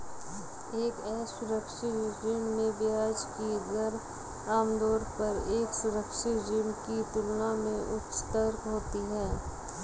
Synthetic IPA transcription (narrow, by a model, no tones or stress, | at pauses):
eːkɛːsʊɾəkʃɪd͡ʒiːmːẽbjaːd͡ʒkiɡəɾ | aːmd̪ɔːɾpəɾeːksʊɾəkʃɪtd͡ʒimkit̪ʊlnamẽʔʊtʃt̪əɾkɦoːt̪iɦɛː